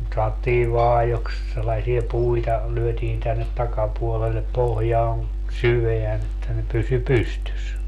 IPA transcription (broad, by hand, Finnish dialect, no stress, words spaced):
sɑotːiː ʋɑːjoks selːɑsie puitɑ lyøtiːn tænːet tɑkɑpuolelːep pohjɑːn syʋeæn etːæ ne pysy pystys